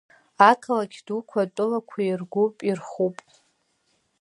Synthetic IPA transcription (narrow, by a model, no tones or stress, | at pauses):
akʰalakʲʰd̥ukʷʰatʷʼʊlakʷʰairɡʷupʼirχupʼ